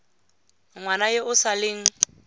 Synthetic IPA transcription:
ŋwanajeʊsalɪːŋ̩

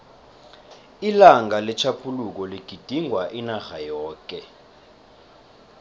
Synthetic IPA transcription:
ilaŋalɛt͡ʃʰapʰuluk̬ɔliɡ̥ʱid̥ʱiŋʱwaʔinaɣajɔːk̬ʼɛ

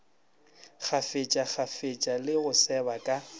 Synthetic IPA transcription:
χʰafet͡ʃʼak͡xʰafet͡ʃʼalɪɣʊsɛbakʼa

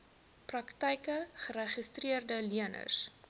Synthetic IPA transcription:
prɐktɛjkəχəɾəχistriərdəliənə̰s

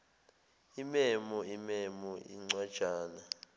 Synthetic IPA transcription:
imɛmɔimɛmɔḭŋ͡ǀwad̥ʒ̥ʱaːna

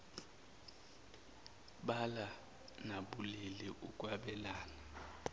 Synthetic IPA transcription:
ɓala | naɓulɛlɛʔukʼwaɓɛlaːna

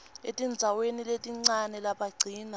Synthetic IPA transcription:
etʼind͡zʱaweniletʼiŋ͡ǀanɛlaɓaɡ͡ǀʱiːna

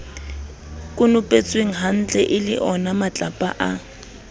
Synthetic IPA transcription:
kʼʊnʊpʼet͡sʼweŋ̩ɦan̩t͡ɬʼɛʔɪlɪ̰ʔɔnamat͡ɬʼapʼa̰ʔa

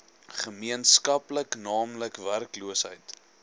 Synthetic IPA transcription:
χəmiənskɐpləknɑːmləkværkluəsɦə̰jt

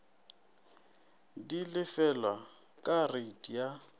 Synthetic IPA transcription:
dilɪfɛlwa | kʼaretʼija

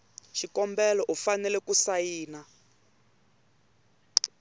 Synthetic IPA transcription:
ʃikɔmbɛlɔʔufanɛlɛkusajiːna

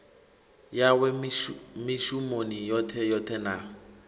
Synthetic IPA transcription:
jawɛmɪʃumonijɔtʰɛjɔtʰɛna

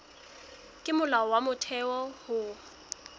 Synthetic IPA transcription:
kʼɪmʊlaɔwamʊtʰɛɔhʊ

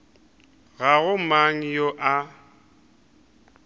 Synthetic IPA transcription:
ɣaɣʊmaŋ̩joʔa

